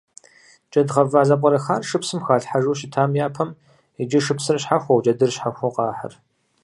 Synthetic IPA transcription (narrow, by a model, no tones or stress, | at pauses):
t͡ʃʼɐdʁɐvaːzɐqʷʼɔɾɐxaːrʂɨpsɨmxaːɬħaʒuːʃɪtʰaːmjaːpʰɐm | id͡ʒɪʃɨpsɨrɕħaxʷɔwd͡ʒʼɐdɨrɕħaxʷɔqɑːħə̰r